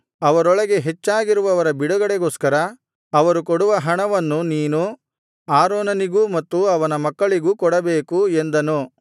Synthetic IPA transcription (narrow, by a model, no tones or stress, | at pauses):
ɐʋɐɾɔɭɐɡe̞ɦet͡ʃːaːɡiɾuʋɐʋɐɾɐbiɽuɡɐɽeɡoːskɐɾɐː | ʋɐɾukɔɽuʋɐɦɐɳɐʋɐnːuniːnu | aːɾoːnɐniɡumɐt̪ːuɐʋɐnɐmɐkːɐɭiɡukɔɽɐbe̞ːkue̞nd̪ɐnu